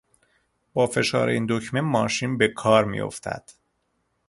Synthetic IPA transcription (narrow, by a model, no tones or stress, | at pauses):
b̥ɒːfe̞ʃɒ̰ːɾeiːnd̪ocmenmɒːʃiːnbe̞kʰɒːɾmḭjo̞̰ft̪ʰæ̰d̪̥